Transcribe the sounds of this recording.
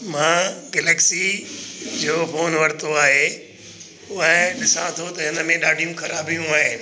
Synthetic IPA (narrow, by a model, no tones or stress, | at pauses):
mãːɡeːlɛːksi | d͡ʑoːfʰoːnʋɐɾt̪oaːɦe | ʊɦəɗɪsãt̪ʰot̪ɐɦɪnəmẽɗaːɖʱijũxɐɾaːbijũaːɦeː